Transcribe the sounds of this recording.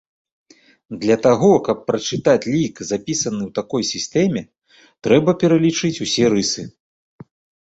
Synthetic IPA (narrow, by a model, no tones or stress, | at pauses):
d̪lʲɐt̪aɣɔkɐpːɾɐt͡ʂɨt̪at͡sʲlʲikzapʲisɐnɨwt̪akɔjsʲist̪ɛmʲɛ | t̪ɾɛbɐpʲɛɾɐlʲit͡ʂɨt͡sʲusʲɛɾɨsɨ